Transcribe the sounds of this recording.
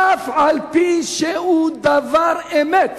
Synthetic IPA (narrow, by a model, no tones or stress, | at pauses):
afalpinʃɛud̪avaɾɛmɛt̪